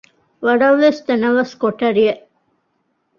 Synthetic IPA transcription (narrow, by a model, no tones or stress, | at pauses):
ʋɐɽɐʋlest̪ɐnɐʋɐskoʈːɐɾijɐ